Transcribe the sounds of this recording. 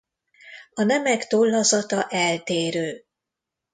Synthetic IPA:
ɒnɛmɛkt̪olːɒzɒt̪ɒʔɛlt̪eːɾøː

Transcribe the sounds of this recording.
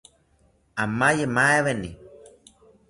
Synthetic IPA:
amajemaeβenḭ

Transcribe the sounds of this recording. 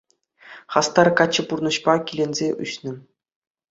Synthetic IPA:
χɑst̪ɑrkɑt͡ɕːɤ̆purnɤ̆ɕpɑkʲilʲenʲzʲeʔy̰ɕnɘ̆

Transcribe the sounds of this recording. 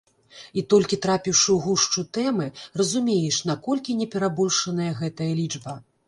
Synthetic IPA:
it̪ɔlʲkʲit̪ɾapʲiwʂɨwɣuʂt͡ʂut̪ɛmɨrɐzumʲejɛʂn̪akɔlʲkʲinʲɛpʲɛɾabɔlʲʂɐnɐjɐɣɛt̪ɐjɐlʲid͡ʐbɐ

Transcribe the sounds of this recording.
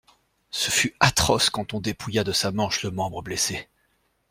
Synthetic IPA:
səfyat̪χɔskɑ̃t̪ɔ̃d̪epʰujad̪əsamɑ̃ʃləmɑ̃bʁəblese

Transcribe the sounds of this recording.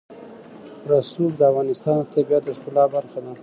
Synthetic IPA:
ɾasub̚d̪əavɣɑnɪst̪ɑnt̪abjat̪əskulɑbaɾxad̪a

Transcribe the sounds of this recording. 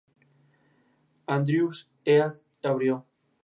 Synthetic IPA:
and̪ɾjus | eaθ | aβɾjo

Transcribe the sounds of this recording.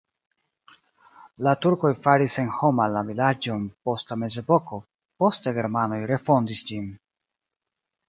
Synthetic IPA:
latuɾko̞jfaɾise̞nho̞malavilad͡ʒonpo̞stlame̞ze̞po̞ko̞ | po̞steɡe̞ɾmano̞jɾe̞fo̞ndisd͡ʒin

